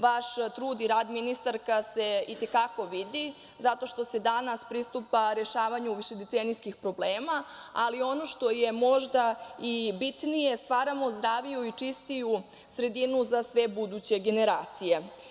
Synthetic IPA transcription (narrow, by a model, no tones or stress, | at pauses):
ʋaʃt̪ɾuːd̪iɾaːd̪minist̪aɾkase̞it̪e̞kako̞ʋid̪i | zat̪o̞ʃt̪o̞se̞d̪anaspɾist̪upaɾe̞ʃaːʋaɲuuʋiʃed̪et̪senijskixpɾo̞bleːmaːlio̞no̞ʃt̪o̞je̞mo̞ʒd̪aibit̪nije̞st̪ʋaːɾamozd̪ɾaːʋijuit͡ʂist̪iju | sɾe̞d̪inuzasʋe̞bud̪ut͡ɕe̞ɡe̞ne̞ɾaːt̪sije̞